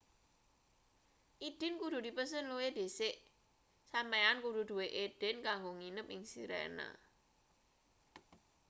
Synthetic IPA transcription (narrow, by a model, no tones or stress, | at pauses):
ʔid̥ɪ̤nkud̥ṳd̪i̤pəs̬ənluwed̥̪esɪʔ | sameankud̥ṳd̪̥uweʔed̥ɪnkaŋɡoŋinəpɪŋsḭɾɛ̰na̰